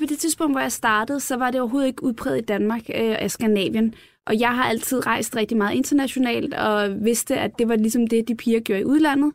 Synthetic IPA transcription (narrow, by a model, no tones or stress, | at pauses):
pʰɒ̽d̥e̝t͡sʰiðˠsb̥ɔ̽ŋ̰d̥ʋɒjɑ̈ɪsd̥ɑ̈ːd̥əð̞̩ˠsɒ̽ʋɑ̈d̥eɒʊɐɦo̝ːðˠe̝ɡ̥əuðˠpʰʁɛð̩ˠid̥ænmɑ̈ːɡ̥æsɡ̥ænɛ̰ːʋjən | ʔɒ̽jɑ̈ɪɦɑ̈ʔæl̰t͡sʰið̞̰ˠʁɑ̈ɪ̰sd̥ʁɛɡ̥̚d̥imɑːð̞̩ˠe̝nd̥ɐnæɕo̝nɛ̰ːld̥ɒ̽ʋe̝sd̥əʔæd̥e̝ʋɑ̈lisɒ̽md̥e̝d̥ipʰiːɐɡ̥jo̝ɐiʔuð̞ˠlæn̰ð̩ˠ